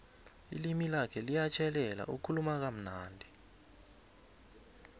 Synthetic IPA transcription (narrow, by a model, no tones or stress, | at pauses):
ḭlimilakʰɛlijat͡ʃʰɛlɛla̰ʔukʰulumak̬am̩naːndʱi